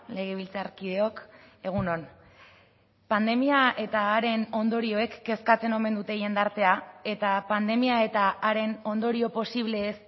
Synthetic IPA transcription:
le̞ɣ̞eβ̞ilt͡saɾkiðe̞o̞k | e̞ɣ̞unon | pand̪e̞miaʔe̞t̪aːɾe̞no̞nd̪o̞ɾioe̞kːe̞skat͡se̞no̞me̞nd̪ut̪eje̞nd̪aɾt̪e̞ae̞t̪apand̪e̞miae̞t̪aːɾe̞no̞nd̪o̞ɾio̞posiβle̞ːs

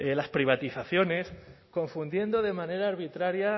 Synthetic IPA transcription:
elaspɾiβ̞at̪iθaθjo̞ne̞sko̞ɱfund̪je̞nd̪o̞ðe̞mãne̞ɾaːɾβit̪ɾaɾja

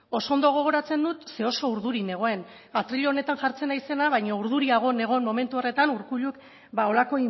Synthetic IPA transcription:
o̞sond̪o̞ɣ̞o̞ɣ̞o̞ɾat͡se̞nd̪ut̪se̞o̞so̞uɾðuɾine̞ɣ̞o̞e̞n | at̪ɾiʎoːne̞t̪anʝaɾt͡se̞najse̞naβajɲouɾð̞uɾiaɣ̞o̞ne̞ɣ̞o̞enmo̞me̞nt̪uore̞t̪anuɾkuʎuk | bao̞lako̞i

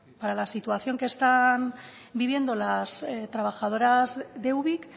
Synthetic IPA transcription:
paɾalasit̪uaθjo̞ŋkest̪an | biβ̞je̞nd̪olast̪ɾaβ̞axað̞o̞ɾazd̪e̞wβik

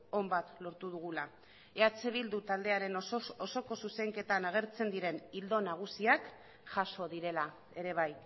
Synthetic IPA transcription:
o̞mbat̪lo̞ɾt̪uð̞uɣ̞ula | e̞at͡se̞β̞ild̪ut̪ald̪e̞aɾe̞noso̞ko̞suse̞ŋke̞t̪anaɣ̞e̞ɾt͡se̞nd̪iɾe̞nild̪o̞naɣ̞usiak | ʝaʃo̞ðiɾe̞la | e̞ɾe̞β̞aj

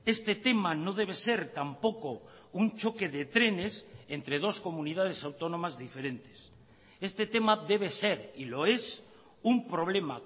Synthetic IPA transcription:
e̞st̪e̞t̪e̞mano̞ð̞e̞β̞e̞se̞ɾt̪ampo̞ko | unt͡ʃo̞ke̞ðe̞t̪ɾe̞ne̞se̞nt̪ɾe̞ð̞o̞sko̞mũnið̞að̞e̞sawt̪o̞nõ̞mazðife̞ɾe̞nt̪e̞s | e̞st̪e̞t̪e̞maðe̞β̞e̞se̞ɾilo̞e̞s | umpɾo̞β̞le̞ma

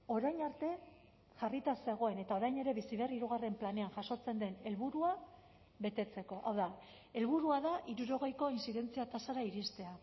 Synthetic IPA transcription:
o̞ɾajɲaɾt̪e̞ | ʝarit̪ase̞ɣ̞o̞e̞ne̞t̪ao̞ɾajne̞ɾe̞βisiβeriɾuɣ̞are̞mplane̞anʝaso̞t͡se̞nd̪e̞ne̞lβuɾua | βe̞t̪e̞t͡se̞ko̞ʔawða | e̞lβuɾuaðaʔiɾuɾo̞ɣ̞e̞jko̞insiðe̞nt͡siat̪asaɾaiɾist̪e̞a

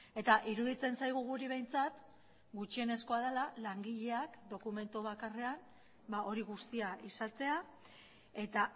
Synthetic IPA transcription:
e̞t̪aʔiɾuðit͡se̞nsajɣ̞uɣuɾiβ̞e̞jnt͡sat̪ | ɡut͡ʃie̞ne̞sko̞að̞elalaŋɡiʎe̞akd̪o̞kume̞nt̪uβ̞akare̞an | bao̞ɾiɣ̞ust̪iaʔisalt͡se̞a | e̞t̪a

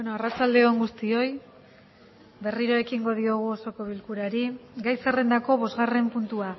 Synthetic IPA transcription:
enoarat͡sald̪e̞oŋɡust̪io̞j | be̞riɾo̞e̞kiŋɡo̞ð̞io̞ɣ̞uoso̞ko̞βilkuɾaɾiɡajsere̞nd̪ako̞βo̞zɣare̞mpunt̪ua

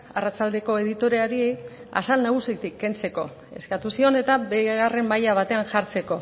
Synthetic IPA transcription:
arat͡sald̪e̞ko̞e̞ðit̪o̞ɾe̞aɾia̰salnaɣ̞usit̪ikːe̞nt͡se̞ko̞̰ | e̞skat̪usio̞ne̞t̪abeɣare̞mːajaβ̞at̪e̞anʝaɾt͡se̞ko̞

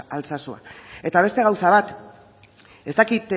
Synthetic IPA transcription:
alt͡sasua̰e̞t̪aβ̞e̞st̪e̞ɣ̞awsaβat̪ | e̞st̪akit̪

